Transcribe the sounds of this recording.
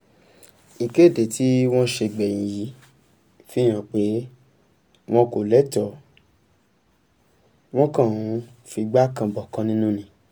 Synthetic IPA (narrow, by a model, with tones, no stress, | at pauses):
i˨ke˦˨de˨ti˦w̃ɔ̃˦ʃe˧ɡ͡bɛ˨j̃ĩ˨ji˨˦ | fi˦j̃ã˨k͡pe˨˦ | w̃ɔ̃˦ko˨lɛ˦tɔ˨ | w̃ɔ̃˦kã˦˨ũ˨˦ | fi˧ɡ͡ba˦kã˧bɔ˨kã˧˦nĩ˦nũ˦nĩ˧